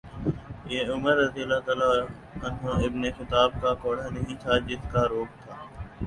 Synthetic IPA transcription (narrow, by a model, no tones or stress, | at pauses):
jeːʊməɾɐd̪iəlːaːt̪aːla | ɐnɦoɪbnexɪt̪aːb̚kakoːɽanɐɦĩt̪ʰad͡ʒɪskaɾoːk̚t̪ʰaː